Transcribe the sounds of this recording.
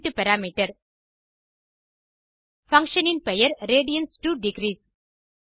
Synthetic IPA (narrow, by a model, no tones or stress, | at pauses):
ʈupɛɾaːmiʈɐɾ | fɐ̃ŋkʃənɪ̃npejɐɾɾeːɖijɐnsʈuːɖɪɡɾiːs